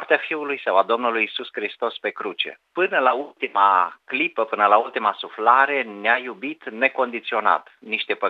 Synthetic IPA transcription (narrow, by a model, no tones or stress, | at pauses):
rt̪eafiulujsəwad̪o̞mnulujːsuskɾist̪o̞spe̞kɾut͡ʃe̞̰pɨnəlault̪ima̰klipəpɨnəlault̪imasuflaɾe̞neajubit̪ne̞ko̞nd̪it̪sio̞na̰t̪niʃt̪e̞pə